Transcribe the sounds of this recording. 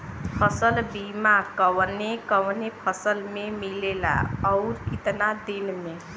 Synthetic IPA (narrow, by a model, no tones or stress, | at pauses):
pʰəsəlbimakəwnekəʋnepʰəsəlmemilela̰ɔʊɾkit̪nad̪inme